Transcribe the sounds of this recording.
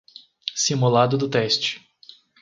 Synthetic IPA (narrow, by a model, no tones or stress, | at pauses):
simulad̪ʊd̪ʊt̪ɛst͡ʃɪ̥